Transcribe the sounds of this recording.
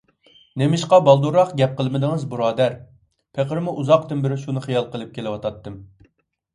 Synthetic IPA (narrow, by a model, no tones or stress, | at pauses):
nemɪʃqɑbɑlˠd̪uɾɑχɡʲɛp̚qəlˠmɪd̪ɨŋɨzbuɾɑːd̪ɛɾ | pʰeqəɾmuʔuzɑqt̪ʰɪnbɪɾɪʃunɨχijɑlˠqəlˠɨp̚kʲʰelɪwɑt̪ʰɑt̪ːɨm